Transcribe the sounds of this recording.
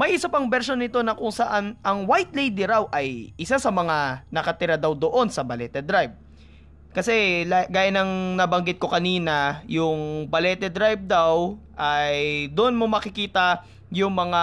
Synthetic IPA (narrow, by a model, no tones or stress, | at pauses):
mɐjʔɪsapɐŋbɛɾʃo̞nːɪt̪o̞nɐkʊŋsɐʔanɐŋwajt̪̚lejd̪ɪɾawʔɐjʔɪsasɐmɐŋanɐkɐt̪ɪɾad̪awd̪oʔo̞nsɐbɐlɛt̪ɛd̪ɾajb̚ | kɐsɛlaɡaːjɐnɐŋnɐbɐŋɡɪt̪̚ko̞kɐniːnɐjʊŋbɐlɛːt̪ɛd̪ɾajb̚d̪awʔɐjd̪oʔonmomɐkɪkiːt̪ɐ | jʊŋmɐŋa